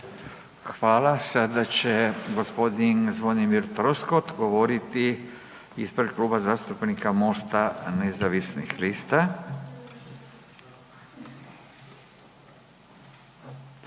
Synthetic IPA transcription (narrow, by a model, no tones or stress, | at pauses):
xʋaːlasad̪at͡ʃeɡospod̪inzʋonimiɾt̪ɾoskot̪ɡoʋoɾit̪i | ispɾekluːbazaːst̪upnikamoːst̪anezaʋisnixliːst̪a